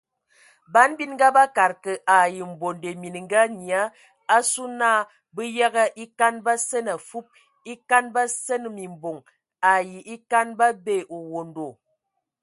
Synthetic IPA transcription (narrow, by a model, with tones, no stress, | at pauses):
ba˨˦nbi˦nŋ˦ɡa˦ba˦ka˨ɾkə˨ʔa˨ji˨m̩˨bo˨nde˨mi˨n˨ŋ˦ɡa˦ɲi˨a˦ | a˦su˦naː˦˨ | bə˦ja˦ɣə˦ʔi˦ka˦nba˦sə˦na˨fu˦p̚ | i˦ka˦nba˦sə˦n˨mi˨m˨bo˨ŋ | a˨ji˨ʔi˦ka˦nba˦be˦˨ʔo˨wo˨ndo˨